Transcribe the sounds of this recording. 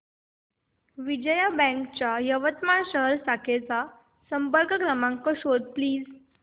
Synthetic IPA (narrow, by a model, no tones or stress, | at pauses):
ʋid͡ʑəjabɛ̃ŋkt͡ɕajəʋət̪maɳɕəɦəɾsakʰet͡sa | səmpəɾkəkɾəmãŋkəɕod̪̚pliːd͡z